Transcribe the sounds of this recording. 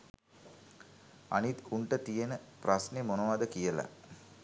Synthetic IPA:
a̰nit̪uɳʈət̪ijenəprasnemonoʋaːd̪əkijəla̰

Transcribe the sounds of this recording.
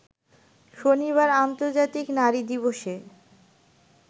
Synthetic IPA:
ʃoniβaɾant̪oɾd͡ʑat̪iknaɾid̪iβoʃe

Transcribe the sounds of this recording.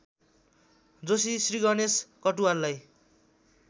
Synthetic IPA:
d͡zosisriɡʌneskʌʈuwalːaj

